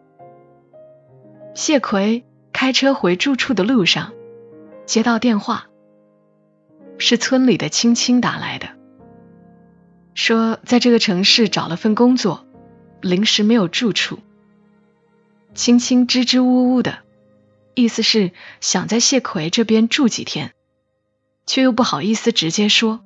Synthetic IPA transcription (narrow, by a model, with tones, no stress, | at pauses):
ɕjɛ˥˩kʰwe˧˥ɪ | kʰa˥ɪʈ͡ʂʰɤ˥xwe˧˥ɪʈ͡ʂu˥˧ʈ͡ʂʰu˥˩d̪ə˩lu˥˧ʂɑ̰˥˩ŋ | t͡ɕjɛ˥t̪ɑ˥˧ʊt̪jɛ˥˧nxwa˥˩ | ʂɻ̩˥˩t͡sʰwə˥nli˨˩d̪ə˦t͡ɕʰi˥ŋt͡ɕʰi˥ŋt̪a̰˧˥la̰˧˥ɪd̪ə˧ | ʂwɔ˥t͡sa˥˧ɪʈ͡ʂɤ˥˩ɡə˩ʈ͡ʂʰɤ˧˥ŋʂɻ̩˥˩ʈ͡ʂɑ˨˩ʊlə˦fə˥˩nkʊ˥ŋt͡swɔ˥˩ | li˧˥ŋʂɻ̩˧˥me˧˥ɪjo˨˩ʊʈ͡ʂu˥˧ʈ͡ʂʰu˥˩ | t͡ɕʰi˥ŋt͡ɕʰi˥ŋʈ͡ʂɻ̩˥ʈ͡ʂɻ̩˥u˥u˥˩d̪ə̰˩ | i˥˩sɹ̩˧ʂɻ̩˥˩ɕjɑ˨˩ŋt͡sa˥˧ɪɕjɛ˥˩kʰwe˧˥ɪʈ͡ʂɤ˥˩pjɛ˥nʈ͡ʂu˥˩t͡ɕḭ˨˩t̪ʰjɛ˥n | t͡ɕʰjjo˥˧ʊp̬u˥˩xɑ˨˩ʊi˥˩sɹ̩˩ʈ͡ʂɻ̩˧˥t͡ɕjɛ˥ʂwɔ˥